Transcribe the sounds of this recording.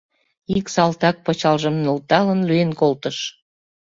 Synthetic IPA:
iksɑlt̪ɑk̚pɤt͡ɕɑlʒə̆mnult̪ɑlənlyenkolt̪əʃ

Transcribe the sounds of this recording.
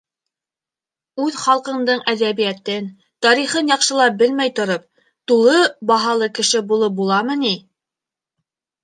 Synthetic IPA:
ʉðχɑlˠqɤ̆ɴd̪ɤɴæðæβijæt̪ɘn | t̪ɑɾiχɤnjɑqʃɤ̆lˠɑp̚bɘlmæjt̪ŏɾop̚ | t̪ulˠɤbɑɦɑlˠɤkɘ̆ʃɘbulˠɤbulˠɑmɤ̆ni

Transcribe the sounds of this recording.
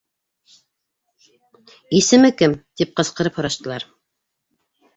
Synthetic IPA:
isɘ̆mɘkɘmt̪ip̚qɤ̆sqɤ̆ɾɤphŏɾɑʃt̪ɤ̆lˠɑɾ

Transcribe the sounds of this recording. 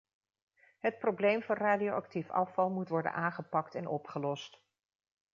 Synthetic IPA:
ɦət̚prowblejmvɑnraːdiowɑktifɑ̰fɑlˠmutʋɔɹdə̰nʔaːŋχəpɑktɛnʔɔpχəlɔst

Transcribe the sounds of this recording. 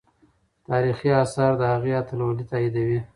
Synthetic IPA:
t̪ɑɾixiasɑɾd̪əhaɣeat̪alwolit̪ɑid̪awi

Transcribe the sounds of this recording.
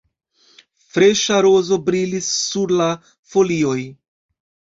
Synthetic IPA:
fɾe̞ʃaɾo̞zo̞bɾilisːuɾla | fo̞lio̞j

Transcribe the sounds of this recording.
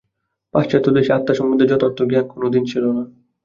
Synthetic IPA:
paʃt͡ɕat̪ːod̪eʃeat̪ːaʃɔmbud̪ʱed͡ʑɔt̪ɔɾt̪ːoɡeakonod̪int͡ɕʰilona

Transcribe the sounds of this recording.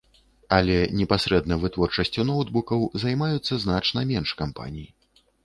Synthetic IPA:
ɐlʲɛnʲɛpasɾɛd̪̚nɐvɨt̪vɔrt͡ʂɐsʲt͡sʲunɔwt̪bukɐwzajmajut̪sːɐznat͡ʂnɐmʲɛnʂkampa̰nʲiji

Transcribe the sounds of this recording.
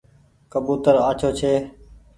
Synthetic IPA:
kəbuːt̪əɾaːt͡ʃʰoːt͡ʃʰeː

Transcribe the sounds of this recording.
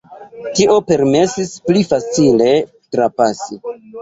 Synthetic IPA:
tiʔo̞pe̞ɾme̞sisplifat͡sile̞ | tɾapasi

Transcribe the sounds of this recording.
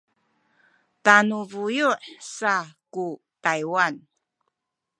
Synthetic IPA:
tanuvujuʔsaku | tajwan

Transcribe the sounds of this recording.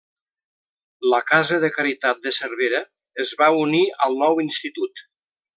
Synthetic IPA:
ləkazəðəkaɾit̪at̪̚d̪əsərβeɾəː | zβauniəlˠnɔwinst̪it̪ut̪

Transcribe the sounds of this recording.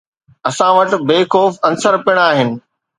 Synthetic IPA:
ɐsãʋɐʈ̆beːkoːfɐ̃nsəɾpɪɽ̃aːɦɪnɪ̆

